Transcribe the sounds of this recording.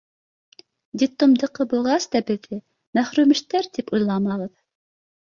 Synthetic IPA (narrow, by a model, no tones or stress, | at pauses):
d̪ʲit̪ːomd̪ɤ̆qɤbulˠʁɑsd̪ɑbɘ̆ðɘ | mæχɾʉmɘ̆ʃt̪æɾt̪ipujlˠɑmɑʁɤð